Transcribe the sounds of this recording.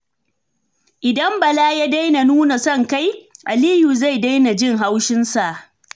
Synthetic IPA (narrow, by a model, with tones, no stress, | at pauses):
ʔɪ˨dɐ˦mbɐ˨laː˦ja˦da˦jna˨nuː˦na˨sɔ˦˨ŋka˦jʔa˨liː˦ju˨za˦˨jda˦jna˨d͡ʒɪ˦˨ŋɦa˦wʃɪ˦nsa˨ʔ